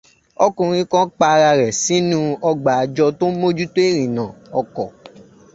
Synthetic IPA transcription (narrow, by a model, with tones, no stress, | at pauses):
ɔ˦kũ˨˧ɾ̃ĩ˦kã˦k͡pa˧ɾa˧ɾɛ˨si˨˦nũ˦ɔ˧ɡ͡ba˨a˨d͡ʒɔ˧to˦mo˦d͡ʒu˦to˦e˦˨ɾĩ˨nã˨ɔ˧kɔ˨